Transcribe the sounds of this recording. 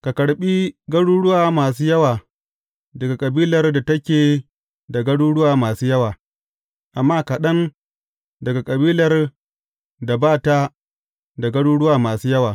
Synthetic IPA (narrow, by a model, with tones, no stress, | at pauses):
ka˨kɐ˨ɽɓiː˦ɡɐ˦ɽuː˦ɽʊ˦waː˨maː˨s̬uː˦jɐ˦waː˨ | dɐ˨ɡa˨kʼɐ˨biː˦lɐ˨rda˨tɐ˦kʲeː˨ | da˨ɡɐ˦ɽuː˦ɽʊ˦waː˨maː˨suː˦jɐ˦waː˨ | ʔa˨mːaː˦ka˨ɗɐ˦n | dɐ˨ɡa˨kʼɐ˨biː˦lɐ˨r | da˨baː˦˨ta˦ | da˨ɡɐ˦ɽuː˦ɽʊ˦waː˨maː˨suː˦jɐ˦waː˨